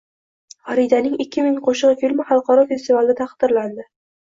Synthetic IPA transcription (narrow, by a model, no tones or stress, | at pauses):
hɒɾid̪anɪŋɪkʲʰːɪmɪŋqʰoʃɨʁfilmɪχɑlˠqɒɾɒfe̞st̪ivalˠɪd̪at̪ʰɑqd̪̥ɪɾland̪ɪ